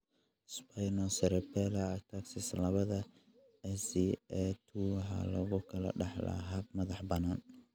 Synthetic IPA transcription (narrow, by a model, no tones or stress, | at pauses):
spʰajnɔsɐɾɛpʰɛlɐːk̚t̪ʰaksɪslɐβɐðɐ | ɛsiɛt̪ʰuwɑħɑ̰lɔɣʊkʰɐlɐ̰ɖɑħlɐ̰ɦɐb̚mɐðɑħbɐnaːn